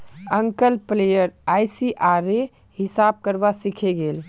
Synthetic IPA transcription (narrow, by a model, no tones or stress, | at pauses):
əŋkəlplejəɾajsiʔaɾe | hisab̚kəɾbasikʰeɡel